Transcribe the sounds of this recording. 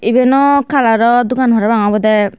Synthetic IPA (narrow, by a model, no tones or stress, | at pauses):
ibɛnɔkʰalaɾɔd̪ukanɦɔɾɔbaŋabɔd̪ɛ